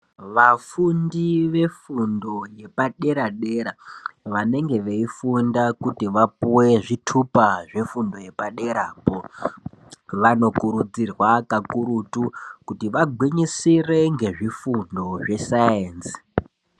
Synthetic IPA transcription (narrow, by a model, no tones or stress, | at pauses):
ʋafundiʋe̞fundo̞je̞paɗe̞ɾaɗe̞ɾaʋane̞ŋɡe̞ʋeifundakutiʋapuwe̞ʐitʰupaʐe̞fundo̞je̞paɗe̞ɾaːpo | ʋano̞kuɾud͡zirwakakuɾutukutiʋaɡʱwiɲisire̞ŋɡe̞ʐifundo̞ʐe̞sajeːnsi̥